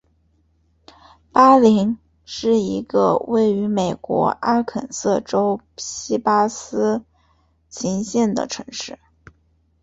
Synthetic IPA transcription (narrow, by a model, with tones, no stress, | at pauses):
pa˥li˧˥ŋ | ʂɻ̩˥˩i˧˥ɡə̰˧we˥˩ɪy˧˥me˨˩ɪkwɔ̰˧˥ʔa˥kʰə̰˨˩nsɤ˥˩ʈ͡ʂo˥ʊ | ɕi˥pa˥sɹ̩˥ | t͡ɕʰi˧˥ŋɕjɛ˥˩nd̪ə̰˩ʈ͡ʂʰɤ˧˥ŋʂɻ̩˥˩